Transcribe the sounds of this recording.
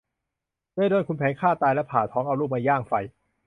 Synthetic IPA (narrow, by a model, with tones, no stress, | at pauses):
dɯ˥˩jdoː˧nkʰu˧npʰɛː˨˦nkʰaː˥˩t̪aː˧jlɛ˦˥pʰaː˨˩t̪ʰɔː˦˥ŋʔa˧wluː˥˩p̚ma˧jaː˥˩ŋfa˧j